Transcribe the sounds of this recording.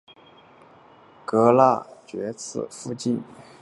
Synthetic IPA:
kɤ˧˥la˥˩t͡ɕɥɛ˧˥t͡sʰɹ̩˥˩fu˥˧t͡ɕi˥˩n

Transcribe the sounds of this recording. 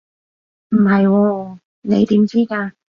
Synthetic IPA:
m̩˨˩hɐ˨jwɔː˧ | ne˨˧jt̪iː˨˥mt͡siː˥kaː˧

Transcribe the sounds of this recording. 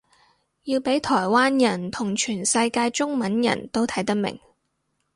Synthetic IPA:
jiː˧wpe˨˥jt̪ʰɔː˨˩jwaː˥njɐ˨˩nt̪ʰʊ˨˩ŋt͡ʃʰyː˨˩nsɐ˧jkaː˧jt͡ʃʊ˥ŋmɐ˨˥njɐ̰˨˩nt̪o˥wt̪ʰɐ˨˥jt̪ɐ˥k̚mɪ̰˨˩ŋ

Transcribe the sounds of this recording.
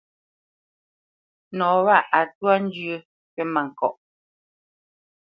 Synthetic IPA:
nɔː˨˦wa˦˨a˨twa˦n̩˦d͡ʒə˦ | kɛ˦ma˨ŋ̩˨kɔ˨ʔ

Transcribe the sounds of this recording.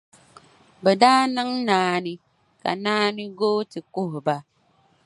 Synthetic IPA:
bɛ˨daː˦nɨ˦ŋnaː˨˦ni˦ | ka̰˨naː˦ni˦ɡoː˦tɨ˨kʊ˦hba˦

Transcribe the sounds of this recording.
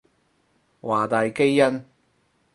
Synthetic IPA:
waː˨˩t̪aː˨jke˥jːɐ˥n

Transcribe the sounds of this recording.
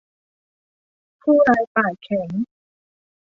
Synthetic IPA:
pʰuː˥˩ɾaː˧jpaː˨˩jkʰɛ˩˦ŋ

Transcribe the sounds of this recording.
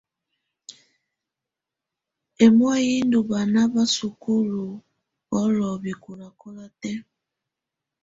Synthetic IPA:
ɛ˨mɔ˦ji˦ndu˨βa˨na˦βa˦su˨ku˦lu˨ | ɔ˦lɔ˨βi˨ku˨la˨kɔ˦la˦tɛ˦

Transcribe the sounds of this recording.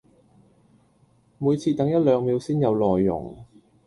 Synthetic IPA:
muː˨˧jt͡sʰiː˧t̪ɐ˨˥ŋjɐ˥t̚lœː˨˧ŋmi˨˧wsiː˥njɐ˨˧wlɔː˨jːʊ̰˨˩ŋ

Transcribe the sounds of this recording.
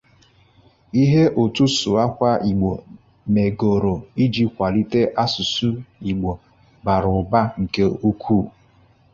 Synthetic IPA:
i˦ɦe˦ʔo˨tu˦sʊ˨a˦kʷa˦ʔi˨ɡ͡bo˨ | me˨ɡo˨ɾo˨i˦d͡ʒi˦kʷa˨li˦te˦ʔa˦su˨su˦i˨ɡ͡bo˨ | ba˨ɾʊ˨ba˦ŋ̩˨ke˦u˦kʷʰuː˦˨

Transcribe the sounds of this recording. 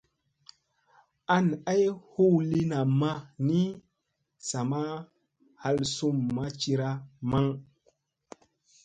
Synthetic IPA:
a˦na˦jhu˦wli˦na˨ma˦ni˦ | sa˨ma˦ | ha˦lsu˦mːa˦t͡ʃi˧ɾa˦ma˦ŋ

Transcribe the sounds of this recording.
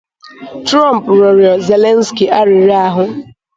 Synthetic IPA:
tɾa˦˨m˨pɾɔ˨ɾjɔ˨ze˨le˦n˦ski˨ʔa˦ɾɪ˨ɾi˦a˦ɦʊ˦

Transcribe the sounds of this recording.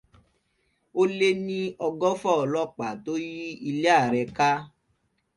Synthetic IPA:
o˦le˦nĩ˦ɔ˧ɡɔ˦fɔ˦˨ɔ˨lɔ˦k͡pa˨to˦ji˦i˧le˦a˦˨ɾɛ˧ka˦

